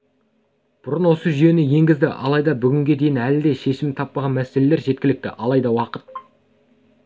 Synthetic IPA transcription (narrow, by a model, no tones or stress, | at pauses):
b̥ʊɾənwo̞səʒʏje̞nɪje̞ŋɡʲɪzd̪ɪʔɑ̰lˠɑjd̪ɑbʏɡʲɪŋɡʲe̞d̪e̞jɪnælɪd̪e̞ʃe̞ʃɪmt̪ʰɑpːɑʁɑnmæsele̞le̞ɾʒe̞t̪kʲɪlɪk̚t̪ɪ̰ʔɑlˠɑjd̪ɑwɑqət̪̚